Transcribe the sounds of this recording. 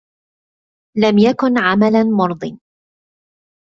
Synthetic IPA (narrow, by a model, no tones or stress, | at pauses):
lamjakʊnʕamalamʊɾˤd̪ˤɨn